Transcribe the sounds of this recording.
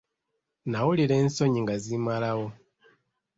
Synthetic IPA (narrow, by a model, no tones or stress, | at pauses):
nawuliɾe̞ːnso̞ɲiŋɡazimalawo̞